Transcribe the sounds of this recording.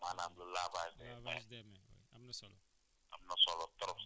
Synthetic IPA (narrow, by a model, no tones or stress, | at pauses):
manãbilolabad͡ʒdɛlabasdɛmɛo̰jabinasɔlɔ | a̰binasɔlɔt̪ɔɾɔf